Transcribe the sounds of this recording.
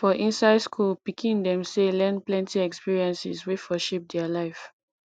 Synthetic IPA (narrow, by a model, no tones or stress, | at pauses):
fɔʔĩnsaɪdskʰulpikʰĩndɛ̃mselɛ̃nplɛ̃ntiɛkspiɹiɛ̃nsḭswefɔʃip̚dɛalaɪf